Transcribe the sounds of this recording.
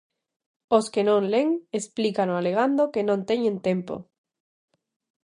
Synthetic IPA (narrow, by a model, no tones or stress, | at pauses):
oskenõŋleŋesplikanoaleɣ̞and̪okenõnt̪eɲẽnt̪empo̰